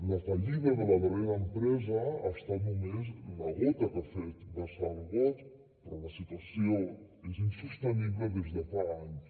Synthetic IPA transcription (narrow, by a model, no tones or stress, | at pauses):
lət̪aʎiðəðələβəβeɾəːmpɾɛzəa̰st̪at̪numezləɣɔt̪əkafet̪bəsalˠβɔt̪ | pɾɔləsit̪uəsio | ezinsust̪əniβləðezðəfaaɲs